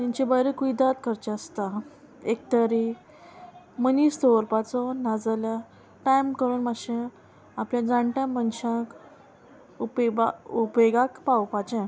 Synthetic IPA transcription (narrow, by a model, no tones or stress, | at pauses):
t̪ĩɲt͡ɕebəjɾəkuid̪at̪kʰəɾt͡ɕaəst̪a | ek̚t̪əɾi | mənist̪ɔɾpat͡sɔnad͡zlə | ʈajmkəɾuːnmaɕẽ | apljad͡zãɳʈãmənɕãk | upbaupeɡakpawpat͡ɕɛ̃